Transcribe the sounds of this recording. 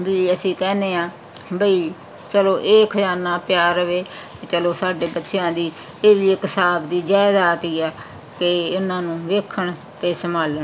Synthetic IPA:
biːəsĩːkɛːneːãː | bəiː | t͡ʃəlõːʔeːkʰəd͡ʒaːnãːpjaːɾəʋeː | et͡ʃəloːsaːɖeːbətːʃɪjãːd̪iː | eːʋiːekɪsaːbd̪iːd͡ʒaːɪd̪aːt̪iːɛː | keʊnãːnũːʋeːkʰəɳ | t̪eːsəmaːləɳ

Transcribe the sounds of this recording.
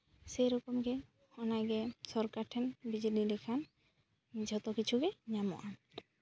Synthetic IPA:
sejɾɔkɔmɡɛ | hɔnaɡɛsɔɾkaɾʈʰɛnbid͡ʒedilɛkʰan | d͡ʒʱɔt̪ɔkit͡ʃʰuɡɛɲamɔ̰ʔan

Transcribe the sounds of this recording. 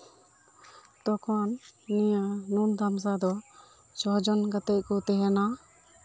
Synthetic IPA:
t̪ɔkʰɔnːijənund̪ʱams̬ad̪ɔ | t͡ʃʰɔɦd͡ʒɔnɡət̪ec̚kɔt̪ɛɦɛna

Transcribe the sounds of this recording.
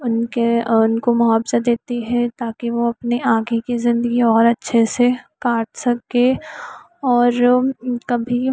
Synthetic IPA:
ʊnkeʊnkomʊɦaːbzad̪eːt̪iɦɛt̪aːkiʋoɐpniʔaːɡikizɪ̃nd̪əɡiɔːɾɐtːʃʰesekaːʈʰsɐke | ɔːɾkɐbʱi

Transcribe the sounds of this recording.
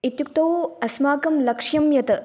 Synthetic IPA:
it̪juk̚t̪ɐwɐsmaːkɐmlɐkʂjɐmjɐt̪ɐ

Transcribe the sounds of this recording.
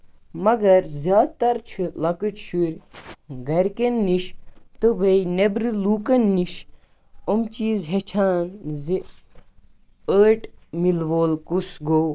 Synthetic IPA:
mɐɡɐɾzjaːd̪̚t̪ɐɾt͡ʃʰɨlɐkɨt͡ʃʃuɾʲɡɐɾkenːiʃt̪ɨbɐinebɾɨluːkɐnːiʃ | omt͡ʃiːzɦet͡ʃʰaːnzi | əːʈmilʋoːlkusɡoː

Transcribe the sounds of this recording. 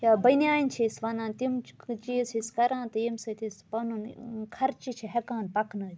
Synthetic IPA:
jaːbɐnjaːjinʲt͡ʃʰisʋɐnãːnt̪imt͡ʃisiskɐɾãːnt̪imsɐt̪ispɐnunkʰɐɾt͡ʃit͡ʃʰiɦɛkaːnpɐkʰnɨ

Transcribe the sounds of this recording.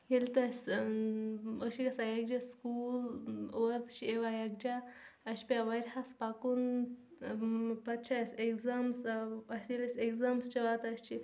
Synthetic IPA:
jelʲt̪ɐsʲ | əʃikɐsajɐɡ̚d͡ʒaskulʋɐt̪t͡ʃʰieʋajɐɡ̚d͡ʒaɐʃpʲaʋɐɾʲɦaspakun | pɐt̪t͡ʃʰasʲekzamsɐsʲilesʲeɡzaːmst͡ʃiʋat̪ɐsʲt͡ʃʰi

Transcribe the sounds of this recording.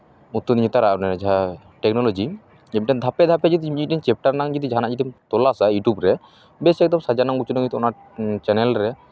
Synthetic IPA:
ut̪ːod̪iɲit̪aɾaʔnɛd͡ʒa | ʈɛk̚nɔlod͡ʒi | ɛmʈad̪ʱapɛd̪ʱapɛd͡ʒid̪iiʈint͡ʃɛp̚ʈaɾnaŋd͡ʒɔd̪id͡ʒʱanaʔd͡ʒiʈimt̪ɔlasajuʈubɾɛ | besɛk̚d̪ɔmsad͡ʒanaŋut͡ʃunɔɡit̪ɔnaɾ | t͡ʃɛnɛlɾɛ

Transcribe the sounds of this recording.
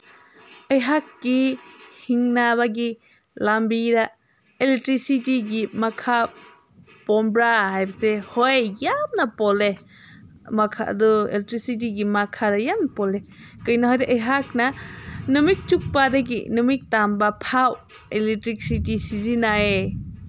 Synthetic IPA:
əjɦakːihiŋnaβaɡi | lambida | elek̚tɾisitiɡimakʰa | pɔmbɾaɦajbɐsehɔjjamnɐpɔle | makʰa̰ʔduḛlektɾisit̬iɡimakʰadajamnpɔle | kɯjnaɦɔjdaʔəjɦak̚nanɯmik̚t͡ʃuk̚padaɡḭnɯmik̚tambapʰaw | elek̚tɾik̚sitisizinae

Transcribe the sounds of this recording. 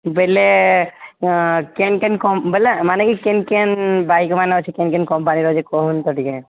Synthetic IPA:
bele | kenkenkɔmbelɛmanɛkikenkenbajkmanat͡ʃʰikɛnkɛnkɔmpaniɾɔd͡ʒɛkɔɦunt̪ɔʈikɛ

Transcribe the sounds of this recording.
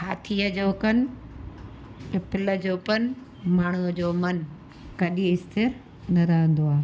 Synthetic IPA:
haːt̪ʰiːəd͡ʑoːkɐn̆ | pɪləd͡ʑoːpɐn | maːɳ̤̃uəd͡ʑoːmɐn | kɐɗĩɪst̪ɪɾ | nɐɾaɦə̃nd̪oaː

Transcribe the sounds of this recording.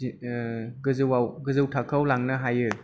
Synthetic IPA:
ɡɯzɯwawɡɯzɯwtʰakʰawlaŋnɯɦajɯ

